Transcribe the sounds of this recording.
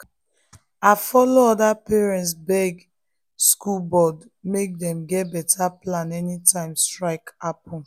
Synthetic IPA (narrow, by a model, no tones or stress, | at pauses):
afɔloɔdapɛɹɛ̃ntsbɛɡ | skulbɔd | mek̚dɛ̃mɡɛt̚bɛtʰaplãnɛnitãɪ̃mstɹaɪkapɔ̃n